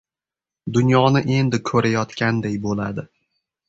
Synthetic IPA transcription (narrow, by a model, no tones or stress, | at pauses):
d̪ʊnjɒnɪʔe̞nd̪ɪkʰɵɾajɒt̪kʲand̪ejbola̰d̪ɪ